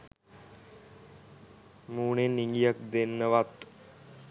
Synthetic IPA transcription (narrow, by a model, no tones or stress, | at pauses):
muːnenːiŋɡijək̚d̪enːəʋat̪